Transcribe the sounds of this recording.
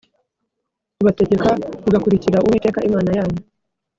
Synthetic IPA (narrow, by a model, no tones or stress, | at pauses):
uβateɟekauɡakuɾiciɾaʔuwite̞ːkaʔimaːnajaːɲu